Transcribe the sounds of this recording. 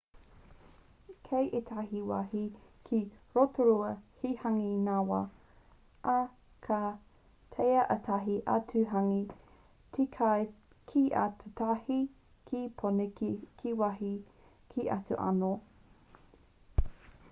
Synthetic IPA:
kʰejʔetʰaɦiwa̰hikʰiɾotoɾuɐhihaŋinawɐ | ʔɐ | kʰa | tʰejɐʔɐtʰaɦiʔɐtʰʉɦaŋi | tʰikʰaj | kʰiʔa̰tʰutʰahi | kʰipʰonekʰiwahi | kʰiʔɐ̰tṵʔa̰no

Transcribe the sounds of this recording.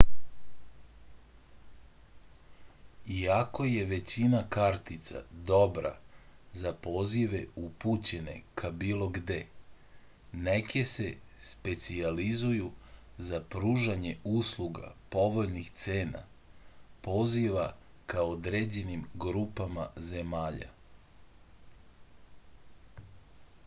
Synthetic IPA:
iako̞je̞ʋe̞t͡ɕinakaɾt̪it̪sa̰d̪o̞bɾa̰zapo̞ːziʋe̞uput͡ɕe̞ne̞̰kʰabiːlˠo̞ɡd̪e | nekese̞spe̞t̪sializuju | zapɾuːʒaɲe̞uslˠuɡa̰po̞ʋo̞ʎnixt̪seːna̰ | po̞ziʋa | kaod̪ɾed͡ʑe̞nimɡɾuːpamaze̞maːʎa̰

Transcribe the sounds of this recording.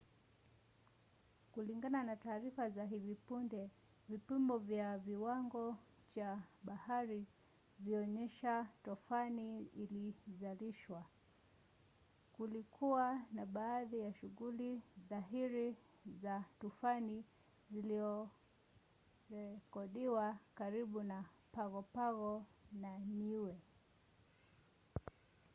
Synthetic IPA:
kuliŋɡananataːɾifazaɦivipundɛ | vipimbɔvjaviwaŋɡɔ | t͡ʃaɓahaɾi | viɔɲɛʃatɔfaniilizaliʃwa | kulikʰuwanaɓaːðijaʃuɣuliðaɦiɾi | zatufani | zilizɔ | ɾɛkɔɗiwakaɾiɓuna | paɣɔpaɣɔnaniwɛ

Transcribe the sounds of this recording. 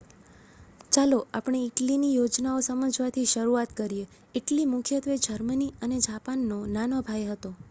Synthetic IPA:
t͡ʃaloapɳ̃eɪʈlinijod͡ʒnaosəməd͡ʒʋat̪ʰiʃəɾuat̪kəɾije | eʈlimʊkʰjət̪ʋed͡ʒəɾməniəned͡ʒapanːonanobʱajɦət̪o

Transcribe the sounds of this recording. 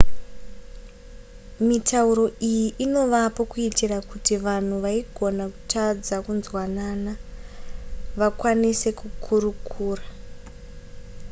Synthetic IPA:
mitʰauɾo̞ʔijiʔino̞ʋapo̞kuitirakutiʋan̤uʋaiɡʱo̞naku̥tʰad͡zakunzwanana | ʋakwanise̞kukʰurukʰuːra

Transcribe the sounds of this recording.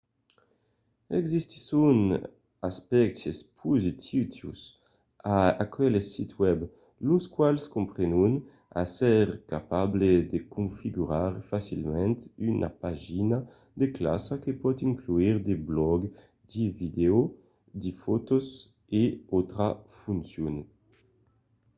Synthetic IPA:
ɛɡzist̪i̥sun | aspɛk̚t̪espʰuzit̪ʰit̪ṵs | aakʰɛlesit̪wɛb | luskwalskumpɾenun | a̰sɛɾkapabled̪ekũnfiɡuɾaɾfasilmɛ̃nt̪ynʔa̰paʒina | d̪ekla̰sakepɔt̪iŋkluiɾd̪eblɔɡ | d̪ivid̪eo | d̪ifɔt̪oz | eɔt̪ɾafunsjun

